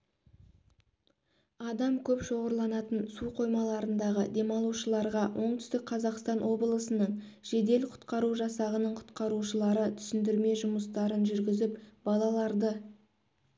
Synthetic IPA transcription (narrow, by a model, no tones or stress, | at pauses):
ɑd̪ɑmkʲʰɵpʃo̞ʁəɾlˠɑnɑt̪ənsuqʰo̞jmɑlˠɑɾənd̪ɑʁəd̪e̞mɑlˠuʃəlˠɑɾʁɑwʔo̞ɴt̪ʏst̪ɪk̚qʰɑzɑqst̪ɑnwo̞bəlˠəsənəɴʒ̥e̞d̪e̞lqʰʊ̥t̪qɑɾuʒɑsɑʁənəɴqʰʊ̥t̪qɑɾuʃəlˠɑɾət̪ʰʏ̥sɪnd̪ɪɾme̞ʒʊməst̪ɑɾənʒʏɾɡʲɪzɪpb̥ɑlˠɑlˠɑɾd̪ə